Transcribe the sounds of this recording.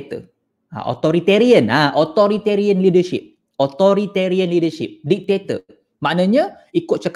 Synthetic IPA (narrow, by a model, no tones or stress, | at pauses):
t̪ə̰ | a̰ʔo̰t̪oɾit̪eɾiənaʔɔt̪ɔɾit̪eɾiənlidəʃḭp̚ | ɔt̪oɾit̪eɾiənlidəʃḭp̚dik̚t̪et̪ə̰ | maʔnəɲə̃ | ikʊt̪̚t͡ʃək